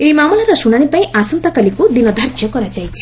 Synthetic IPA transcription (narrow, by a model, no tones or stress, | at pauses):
eimamɔlaɾɔsuɽ̃aɽ̃ipaĩʔasɔnt̪ɔkalikud̪inɔd̪ʱaɾd͡ʒjɔkɔɾad͡ʒajt͡ʃʰi̥